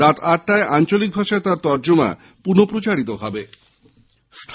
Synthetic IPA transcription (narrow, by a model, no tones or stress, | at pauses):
ɾat̪ʰaʈʈaeʔant͡ɕolik̚bʱaʃat̪aɾt̪ɔɾd͡ʑoma̰ | punopɾot͡ɕaɾit̪oɦɔbe | st̪ʰ